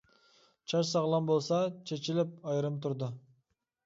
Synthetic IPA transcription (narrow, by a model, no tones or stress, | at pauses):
t͡ʃʰɑʃsɑʁlˠɑnbolˠsɑt͡ʃʰet͡ʃilɪp̚ɑjɾɯmt̪ʰʊɾd̪ʊ